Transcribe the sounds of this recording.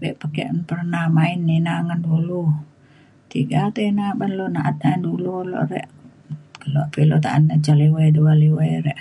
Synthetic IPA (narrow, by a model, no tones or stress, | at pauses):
bɛʔpakeʔnpərnahmainːinaŋəndulu | t̪iɡat̪einabanloʔnaʔat̪̚aindululo̰ʔɾɛ̰ʔ | loʔpilot̪a̰ʔa̰nːət͡ʃaliwaduwaliweɾɛʔ